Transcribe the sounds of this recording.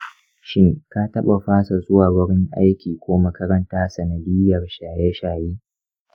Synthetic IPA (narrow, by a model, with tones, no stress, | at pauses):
ʃɪ˦ŋka˦tɐ˦ɓa˨ɸaː˦sa˨zʼʊ˦waː˨wɐ˦ɽɪ˦ŋʔa̰˦jkʲiː˨kʷoː˦mɐ˦kɐ˦ɾɐ˦ntaː˦sɐ˨nɐ˨dɪː˦jɐ˨rʃaː˨jɛ˦ʃaː˨jiː˦